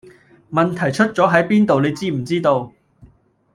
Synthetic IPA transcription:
mɐ˨nt̪ʰɐ˨˩jt͡ʃʰɵ˥t̚t͡sɔː˨˥ɦɐ˨˥jpiː˥nt̪o˨wne˨˧jt͡siː˥m̩˨˩t͡siː˥t̪o˧w

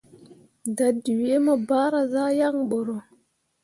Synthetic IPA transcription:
da˨di˨we˦mo˦ba˦ɾa˨za˦ja˦ŋɓo˨ɾo˨

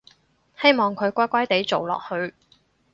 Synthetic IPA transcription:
he˥jmɔː˨˩ŋkʰɵ˨˧ɥkʷaː˥kʷaː˥jt̪e˨˥jt͡so˨wlɔ̰ː˨k̚hɵ˧ɥ

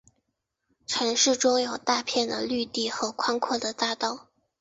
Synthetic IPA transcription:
ʈ͡ʂʰa˧˥ŋʂɻ̩˥˩ʈ͡ʂʊ˥ŋjo˨˩ʊt̪a˥˧pʰjɛ˥˩nd̪ə̰˩ly˥˧t̪i˥˩xɤ˧˥kʰwa˥ŋkʰwɔ˥˩d̪ə˩t̪a˥˧t̪ɑ˥˩ʊ

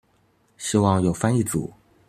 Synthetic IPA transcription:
ɕi˥wɑ˥˧ŋjo˨˩ʊfa˥ni˥˩t͡sṵ˨˩˦

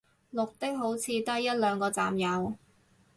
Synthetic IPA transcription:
lʊ˨k̚t̪ɪ˥k̚ɦo˨˥wt͡sʰiː˨˧t̪ɐ˥jɐ˥t̚lœː˨˧ŋkɔː˧t͡sa̰ː˨mjɐ˨w

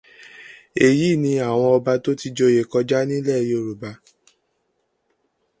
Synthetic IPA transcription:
e˨ji˨˦˨nĩ˧a˦˨w̃ɔ̃˧ɔ˧ba˧to˦ti˧d͡ʒo˧˦je˨kɔ˧d͡ʒa˦nĩ˦lɛ˦˨ji˦o˦˨ɾu˨ba˧˦

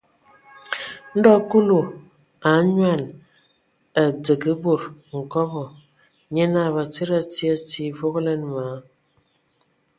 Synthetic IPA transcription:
n̩˦dɔ˦ku˦lu˨ | a˨˦ɲwa˦˨n | a˨d͡zə˨ɡə˦bo˨ɾŋ̩˨kɔ˦bɔ˨ | ɲe˦na˦˨βa˨t͡se˦ɾa˦ti˦a˦˨ti˨˦vo˦ɣle˦nma˨˦

